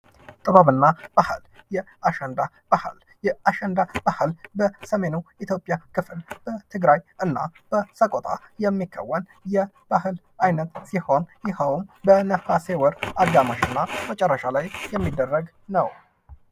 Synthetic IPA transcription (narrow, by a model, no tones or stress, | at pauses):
t̪ʼɨβaβɨnːab̥ahɨljɛ | aʃɛnd̪a | b̥ahl | jɛaʃɛnd̪ab̥ahɨlbəsəme̞nuit̪ʰjo̞pʼːjakʰɨflb̥ət̪ʰɨɡɾajʔɨnːa̰b̥əsəkʼot̪ʼa̰jɛmːikʰːə̰wːən | jɛ | b̥ahɨl | ʔajnət̪siho̞njɪhawumbənəfasewɔɾaɡamaʃɨnːamət͡ʃʼɛrːəʃalajjɛmːid̪ːərːəɡ | nəw